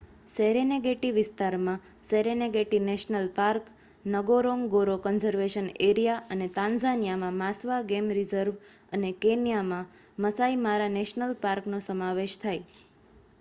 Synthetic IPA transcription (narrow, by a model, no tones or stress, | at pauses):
seɾeneɡeʈiʋɪst̪aɾmã | seɾeneɡeʈineʃnəlpaɾk | nəɡoɾoŋɡoɾokənzəɾʋeʃəneɾijaʔənet̪ãnzanijamãmasʋaɡemɾizəɾʋ | ənekenijamã | məsaimaɾaneʃnəlpaɾknosəmaʋeʃt̪ʰaj